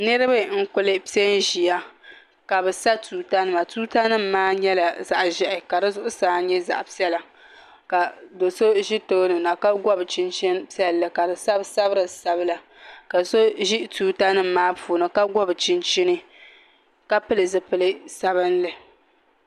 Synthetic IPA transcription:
nɨ˦ɾɨ˦ba˦ŋ̩˦kʊ˦lɨ˦pi˦ɛ˦n˦ʒi˨ja˦ | ka˨bɨ˨sa˦tuː˨ta˦nɨ˦ma˨tuː˦ta˦nɨ˦m̩˦maː˦ɲɛ˦la˨za˨ʔʒɛ˨ʔɪ˨ka˨dɨ˦zʊ˦ʔʊ˦saː˦ɲɛ˦za̰˨ʔpi˦ɛ˦la˨ | ka˨do˨so˦ʒi˦to˦nɨ˨na˨ka˦ɡɔ˦bt͡ʃɪ˦nt͡ʃi˦npi˦ɛ˦llːɨ˨ka˨bɨ˨sa˦bsa˦bɨ˦ɾɨ˨sa˦bɨ˦la˨ | ka˨so˦ʒi˦tuː˨ta˦nɨ˦m̩ː˦aː˦puː˨nɨ˨ka˦ɡɔ˦bt͡ʃɪ˦nt͡ʃi˦nɨ˦ | ka˦pɨ˦lɨ˨zɨ˦pɨ˨lɨ˦sa˦βɨ˦nlɨ˨

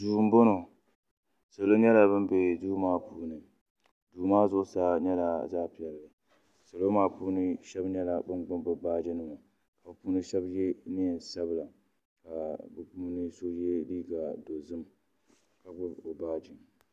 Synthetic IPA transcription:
duː˨m̩˦bo˦no˨ | so˨lo˦ɲɛ˦la˨bɨ˦mbe˨duː˦maː˦puː˦nɨ˨ | duː˨maː˦zʊ˦sa˦ɲɛ˦la˨zaː˦pi˨jɛ˨lːɨ˨ | so˨lo˦maː˦puː˦nɨ˦ʃɛ˦bɲɛ˦la˨bɨ˦nɡ͡bʊ˦mbʊ˦baː˦d͡ʒɪ˦nɨ˨ma˨ | ka˨bɨ˨˦pu˦nɨ˦ʃɛ˦bjɛ˦nɪ˦ɛ˨nsa˦bla˨ | ka˨bɨ˨˦puː˦nɨ˦so˦jɛ˦liː˦ɡa˨do˨zɨ˦m | ka˨ɡ͡bʊ˦bo˨baː˦d͡ʒɪ˨

